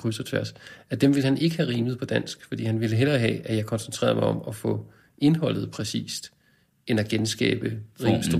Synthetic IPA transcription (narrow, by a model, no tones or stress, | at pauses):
ʁysɐt͡sʰʋæɐsæd̥emʋe̝lhænʔe̝ɡ̥əhæʁiːməð̞̩ˠpʰɒ̽d̥æn̰sɡ̥fɒ̽d̥ḭːhænʋe̝ləɦelɐːɦɛ̰æjɑ̈ɪkʰɒ̽nsən̩t͡sʰʁḛːɐðˠmɑ̈ɪɒ̽mɒfɔ̽ | ʔe̝nɦɒ̽l̰ð̞̩ˠpʰʁɛsḭːsd̥ | e̝næɡ̥ensɡ̥ɛ̰ːb̥əʁiːmsd̥u